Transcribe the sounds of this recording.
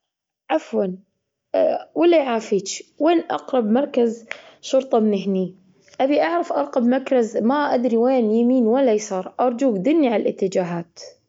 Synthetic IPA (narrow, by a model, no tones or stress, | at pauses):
ʔafwal | wɪlːaʕaːfiːt͡ʃweːnʔɑ̰qɾˤɑbmɑɾˤkazʃʊɾt̪ˤɑmɪnɪɦni | ʔabiʔaʕɾˤɑfʔɑɾˤqɑbmakɾˤɑzmaʔad̪ɾiweːnjamiːnwalːajsˤɑːɾˤʔɑɾˤd͡ʒuːɡd̪ɪnːiʕalalʔɪt̪ːɪd͡ʒaːɦaːt̪